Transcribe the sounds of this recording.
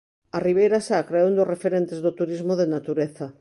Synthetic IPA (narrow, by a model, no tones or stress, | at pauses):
ariβ̞ejɾasaakɾaeund̪osrefeɾent̪ezðot̪uɾizmoðenat̪uɾeθa